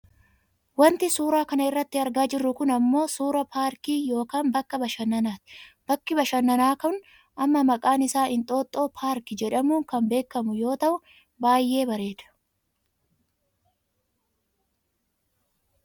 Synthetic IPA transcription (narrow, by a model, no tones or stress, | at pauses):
wɐnt̪ɪsuːɾaːkɐnɐɪrːɐt̪ːɪɐɾɡaːd͡ʒɪrːʊkʊnɐmːo̞ːsuːɾɐpaːɾkiːjo̞ːkaːmbɐkːɐbɐʃɐnːɐnaːt̪ɪ̥b̥ɐkːɪbɐʃɐnːɐnaːkɐʊn | ʔɐmːɐmɐkʼaːnɪsaːʔɪnt̪ʼo̞ːt̪ʼːo̞ːpʰaːɾkɪd͡ʒɛᶑɐmuːŋkɐmbe̞ːkːɐmʊjo̞ːt̪ɐʔʊ | baːjːe̞ːbɐɾe̞ːd̪ɐ̥